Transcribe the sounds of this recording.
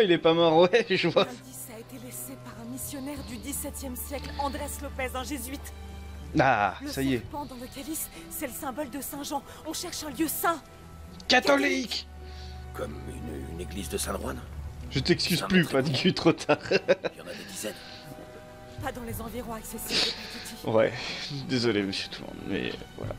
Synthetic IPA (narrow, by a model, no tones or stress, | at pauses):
ilɛpamaʁwɛʒəvwãd̪isaːet̪elesepaʁɛ̃misjɔnɛʁd̪yd̪isɛt̪jɛmsjɛklɑ̃d̪ʁɛslɔpɛzɛ̃ʒezɥit̪ | a̰ləssajepɑ̃d̪ɑ̃ləkʲalisː | ɛləsɛ̃bɔld̪əsɛ̃ʒɑ̃ | ɔ̃ʃɛʁʃɛ̃ljøsɛ̃ | kat̪ɔlik | kɔmy̰ny̰neɡlizd̪əsɛ̃d̪ʁwanʒ̥ət̪ɛkskʲyzplypaʁd̪ikit̪χot̪ʰaːʁjɑ̃nad̪ed̪izɛn | pad̪ɑ̃lezɑ̃viʁɔ̃aksesi | wɛ̰id̪ezɔleməsjø̥t̪ʰumɔ̰̃d̪mɛ̰vwa̰la̰